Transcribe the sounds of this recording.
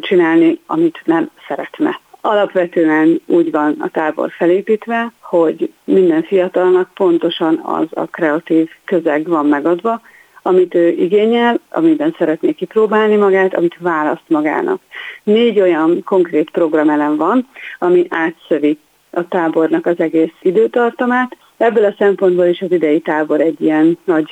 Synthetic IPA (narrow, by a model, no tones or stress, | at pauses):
t͡ʃinaːlniɒmit̪nɛmsɛɾɛt̪nɛ̰ɒlɒpʋɛt̪øːɛnuːɟvɒnɒ̰t̪aːbo̞̰rfɛleːpiːt̪ʋɛho̞ɟ | mind̪ɛɱfijɒt̪ɒlnɒk̚po̞nt̪o̞ʃɒnɒ̰zɒ̰krɛɒt̪iːvkø̞zɛɡvɒmːɛɡɒd̪ʋɒ | ɒmit̪øːʔiɡeːɲɛlɒ̰mibɛnsɛɾɛt̪neːkːiproːbaːlnimɒɡaːt̪ɒ̰mit̪vaːlɒst̪mɒɡa̰ːnʔɒ̰kneːɟo̞jɒnko̞ŋkreːt̪pro̞ɡrɒmɛlɛɱvɒnɒmiʔaːt̪sø̞vi | ɒt̪aːbo̞rnɒkɒzɛɡeːsid̪øːt̪ɒrt̪ɒmaːt̪ | ɛbːølɒsɛmpo̞nd̪boliʃɒzid̪ɛjit̪aːbo̞ɾɛɟːijɛnːɒɟ